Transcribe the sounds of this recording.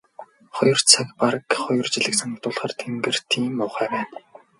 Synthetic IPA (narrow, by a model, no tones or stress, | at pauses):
χɔjɞ̆r̥t͡sʰakparəkχɔjɞ̆rt͡ɕiɮɘ̆ksănʊk̚t̪ʊːɮχaːrt̪ʰemɡɘ̆r̥t̪ʰiːmʊwχæːwæːn